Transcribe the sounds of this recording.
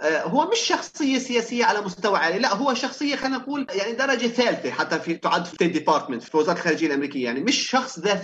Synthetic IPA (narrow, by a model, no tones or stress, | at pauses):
ɦʊwːamɪʃːɑxsˤɨjːasɪjaːsɪjːaʕalamʊst̪awaʕaːlilaʔɦʊwːaʃɑxsˤɨjːaxad̪nɑquːljaʕnid̪ɑɾˤɑd͡ʒaθaːlθeħat̪ːafit̪ʊʕad̪ːfi̥t̪eːt̪ːɪpɑːɾˤt̪mɪnt̪ffiwɪzɑɾˤt̪lxaːɾid͡ʒɪjːalʔamɾiːkɪjːajaʕnimɪʃʃɑxsˤða